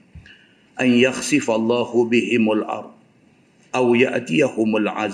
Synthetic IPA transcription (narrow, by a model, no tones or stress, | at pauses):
ʔanjaxsɪfɑlˤːɑːhʊbɪhɪmalʔɑ̰ɾˤd̪̚ˤ | ʔawja̰ʔt̪ɪjahʊmalʕa̰z